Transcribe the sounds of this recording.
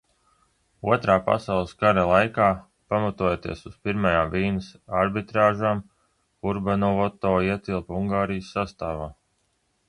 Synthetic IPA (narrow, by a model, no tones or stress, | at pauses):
uɔt̪ɾaːpa̰sawlˠɨskaɾalˠajkaː | pamat̪uɔjet̪ḭɛsuspiɾmajaːmviːnɨsaɾbit̪ɾaːʒaːm | kuɾbanɔvɔt̪ɔːiɛt̪ilˠpuŋɡaːɾijəsːast̪aːvaː